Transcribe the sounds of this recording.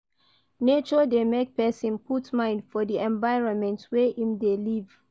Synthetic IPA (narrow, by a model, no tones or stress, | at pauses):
net͡ʃɔdemek̚pʰɛsĩnpʰutmãɪ̃ndfɔdiʔɛ̃ɱvaɪɹɔ̃nmɛ̃ntwɛhĩmdeliv